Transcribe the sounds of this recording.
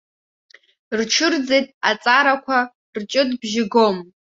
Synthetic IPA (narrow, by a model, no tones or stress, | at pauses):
rʈ͡ʂʰɨrd͡zejtʼat͡sʼaɾakʷʰa | rt͡ʃʼɨdbʒɪɡo̞m